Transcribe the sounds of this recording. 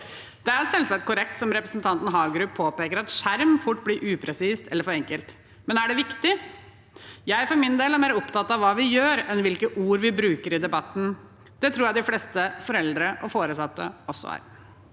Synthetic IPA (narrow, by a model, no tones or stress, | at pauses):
d̪̥ɛæɾsɛlsɑk̚t̪kʊɾɛk̚t̪sɔmɾɛpɾəsnt̪ʰɑnt̪n̩ɦɑːɡɾʉpʰːoːpeːkəɾɑt̪ʂæɾmfʊʈːbliɾʔʉːpʰɾɛsiːst̪ʰɛlːəɾfɔɾɛŋkəlt̪ | mɛnæɖɛʋɪkt̪ɪ | jæɪfɔɾmɪnd̪eːlæɾmeːɾəɔpt̪ɑt̪ːɑʋʋːɑːʋɪjøːɾɛnʋɪlkəʔuːɾʋɪbɾʉːkəɾɪd̪ɛbɑt̪ːn̩ | d̪̥ɛt̪ʰɾuːɾjæɪd̪ɪflɛːst̪əfɔɾɛld̪ɾəʔɔfoːɾəsɑt̪ːə̰ɔsːɔ̰æ̰ːɾ